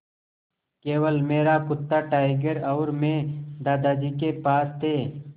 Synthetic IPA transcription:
keːwəlmeːɾakʊt̪ːaʈaːɪɡəɾɐwɾmẽːd̪aːd̪aːd͡ʒikepaːst̪ʰeː

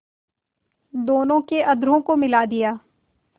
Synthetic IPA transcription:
d̪oːnõkeʔɐd̪ɾõkomɪlaːd̪ɪjaː

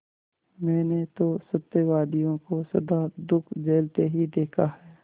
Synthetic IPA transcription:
mɛ̃ːnet̪osɐt̪ːeʋaːd̪ijõkosɐd̪ad̪ʊkʰd͡ʒeːlt̪eɦid̪eːkʰahɛː

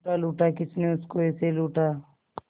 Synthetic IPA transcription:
aluːʈakɪt͡ʃneʊskoɛːseluːʈa

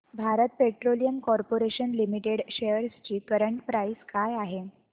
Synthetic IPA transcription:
bʱaɾət̪̚peʈɾolijəmkɔɾpoɾeɕənlimiʈeɽɕejəɾst͡ɕiːkəɾəɳʈpɾaiskajaɦe

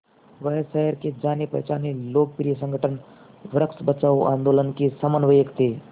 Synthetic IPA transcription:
ʋəjsəɦəɾked͡ʒanepɐ̰ɦjt͡ʃaneloːk̚piɾijəs̬ə̃ŋɡʱəʈʰən | ʋɾəksbət͡ʃaːuʔã̰nd̪olənkisəmənʋəjəkt̪eː

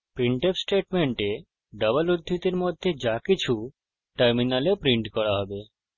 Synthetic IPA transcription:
pɾiɳʈepsʈeʈmeɳʈe | ɖəbəlud̪ʱːit̪iɾmod̪ʱːjed͡ʒakit͡ʃʰu | ʈəɾminalepɾiɳʈkɔɽaɦɔbe

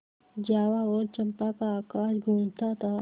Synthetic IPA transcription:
d͡ʒaːʋaoːɾt͡ʃəmpakaaːkaːd͡ʒɡʱũːmt̪at̪ʰaː

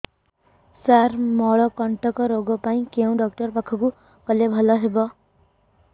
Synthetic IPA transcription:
sarmʌɭʌkʌɳʈʌkʌɾoɡɔpaĩkew̃ɖʌk̚ʈʌrpakʰɔku | kʌlebʱʌlʌɦebʌ

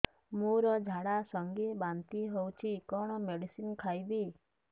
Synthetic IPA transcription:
mũɾɔd͡ʒʱaɽasɔŋɡibãnt̪iɦowt͡ʃʰikɔɽ̃ɔmeɖisinkʰajbi

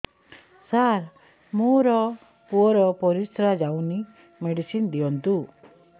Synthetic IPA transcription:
saɾ | moɾɔ | puɔɾɔpɔɾisɾad͡ʒawni | meɽisind̪iɔnt̪u

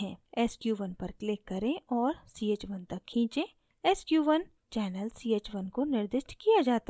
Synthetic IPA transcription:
ɦɛ̃ːɛːskjuːʋɐnpɐɾklɪkːɐɾẽɔːɾsiːeːt͡ʃʋɐnt̪ɐkʰːĩːt͡ʃẽ | ɛːskjuːʋən | t͡ʃɛːnəlsiːeːt͡ʃʋɐnkonɪɾd̪ɪʃʈkijad͡ʒaːt̪a

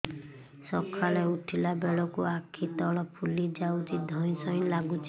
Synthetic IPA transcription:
sɔkʰaleuʈʰilabeɭɔkuakʰit̪ɔɭɔpʰulid͡ʒaut͡ʃid̪ʱɔj̃sɔj̃laɡut͡ʃʰ

